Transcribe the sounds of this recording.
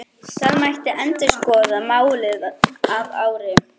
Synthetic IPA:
θaðmajht̪ɪʔɛnt̪ɪskɔːðamaːwlɪðava̰ːwɾɪ

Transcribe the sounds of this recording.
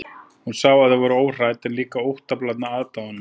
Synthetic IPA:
hunsaːɣvaðavɔɾʏoːwr̥ajt̪ɛnliːkaowht̪aplat̪naaːðt̪aʏnːʏ

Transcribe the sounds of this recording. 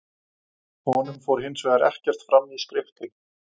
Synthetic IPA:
hɔnʏmfowɾ̥ɦɪnsvɛːɣaɾɛ̰hcɛr̥t̪fɾamːiskɾɪft̪ɪ

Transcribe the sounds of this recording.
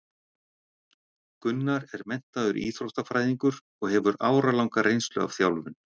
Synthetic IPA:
kʏnːaɾɛɾmɛn̥t̪aðʏɾʔḭːθɾowhst̪afɾaːjðiŋkʏɾ | ɔɣɦɛvʏɾaːwɾalawŋkaɾejnst̪lʏ̰a̰v̥θjawlvʏn

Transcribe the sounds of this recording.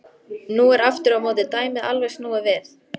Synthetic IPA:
nuːɛɾaft̪ʏɾamoːwt̪ɪt̪aːjmɪðalvɛjsnuːɣavɛːθ

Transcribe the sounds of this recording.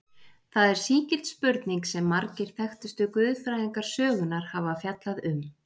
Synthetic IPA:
θaðɛɾ̥siːcɪl̥t̪spʏɾt̪niŋksɛmːaɾcɪɾ̥θɛxt̪ʏst̪ʏkvʏðfɾaːjðiŋkaɾ̥sœːɣʏnaɾ̥havafjat̪laðʏm

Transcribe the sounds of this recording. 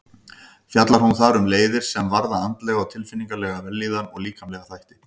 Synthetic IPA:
fjat̪laɾ̥hunθaɾʏmleːjðɪɾ̥sɛɛmvaɾðaant̪lɛɣawt̪ʰɪlfɪnːiŋkalɛːɣavɛlːiːðanɔɣliːkamlɛɣaθajht̪ɪ̥

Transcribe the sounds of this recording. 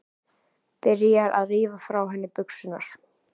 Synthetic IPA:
pɪɾjaɾʔa̰ðriːvafɾawɦɛnːɪpʏksʏna̰ɾ̥

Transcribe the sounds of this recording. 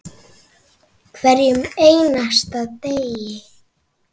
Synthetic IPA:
kʰvɛɾjʏmejnast̪aðt̪ejɪ

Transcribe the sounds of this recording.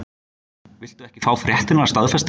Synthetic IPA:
vɪl̥t̪ʏɛhcɪ̥faːwfɾjɛht̪ɪnaɾast̪aðfɛst̪

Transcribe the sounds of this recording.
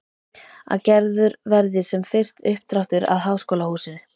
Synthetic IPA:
a̰ðcɛɾðʏɾvɛɾðɪsɛmfɪr̥t̪ʏhp̚t̪ɾawft̪ʏɾa̰ðɦaːwskoːwlahuːsɪn

